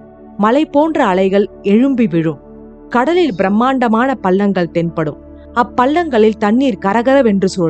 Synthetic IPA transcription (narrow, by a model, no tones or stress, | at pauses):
mɐlɐɪpːoːndrɐːlɐɪɣɐɭɛɻɯmbiʋɪɻɯm | kɐɽɐlɪlbɪɾɐmːaːɳɖɐmaːnɐpɐɭːɐŋɡɐɭt̪ɛnpɐɽɯm | ɐpːɐɭːɐŋɡɐɭɪlt̪ɐɳːiːɾkɐɾɐɣɐɾɐʋɛndrɯsoː